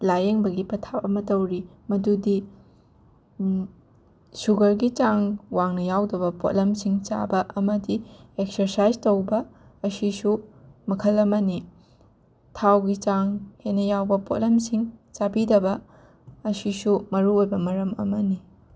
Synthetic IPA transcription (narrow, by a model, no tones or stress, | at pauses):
lajeŋbɐɡipɐtʰawɐmɐtɐwɾimɐdudi | suɡɐɾɡit͡ʃaŋwaŋnɐjawdɐbɐpo̰tlɐmsiŋt͡ʃa̰bɐʔɐmɐdiek̚sɐɾsajztowbɐ | ɐsisumɐkʰɐlɐmɐni | tʰawɡit͡ʃaŋhenɐjawbɐpotlɐmsiŋt͡ʃabidɐbɐ | ɐsisumɐɾuojbɐmɐɾɐmɐ̰mɐni